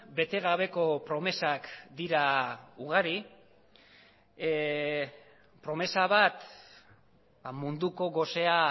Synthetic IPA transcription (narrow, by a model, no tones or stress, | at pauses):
be̞t̪e̞ɣ̞aβ̞e̞ko̞pɾo̞me̞sakd̪iɾauɣ̞aɾi | pɾo̞me̞saβat̪ | bamund̪uko̞ɣo̞se̞a